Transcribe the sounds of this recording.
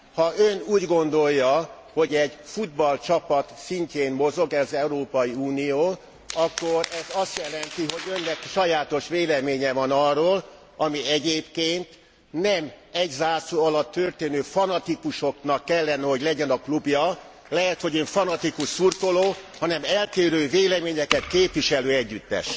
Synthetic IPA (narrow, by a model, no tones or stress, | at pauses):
hɒʔønuːɟɡo̞nd̪o̞jːɒ | ho̞ɟɛɟfud̪̚bɒlt͡ʃɒpɒt̪siɲceːmmo̞zo̞ɡɛzɛuɾoːpɒjiuːnijoː | ɒkːo̞ɾɛzɒst̪jɛlɛnt̪iɦo̞ɟø̞nːɛkʃɒjaːt̪o̞ʃʋeːlɛmeːɲɛvɒnɒroːl | ɒmiɛɟeːpkeːnt̪ | nɛm | ɛɟzaːsuɒlɒt̪ːørt̪eːnøːfɒnɒt̪ikuʃo̞knɒkːɛlːɛnɛɦo̞ɟlɛɟɛnɒklubjɒ | lɛɦɛt̪ho̞ɟøɱfɒnɒt̪ikuʃsurt̪oloːhɒnɛmɛlt̪eːɾøːveːlɛmeːɲɛkɛt̪keːpʋiʃɛløːɛɟːyt̪ːɛ̰ʃ